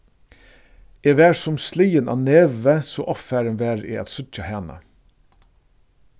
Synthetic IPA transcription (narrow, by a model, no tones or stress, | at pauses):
eːʋæːɹsʊmsliːənʔɑ̰ːneːʋəsoːʔɔfæːɾənʋæːɾḭːɑ̰t̪sʉc͡çɑhɛːnə̰